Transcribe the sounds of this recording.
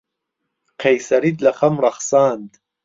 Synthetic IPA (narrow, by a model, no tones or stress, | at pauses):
qʰejsɐɾit̪lɐχɐmrɑχsaːnd̪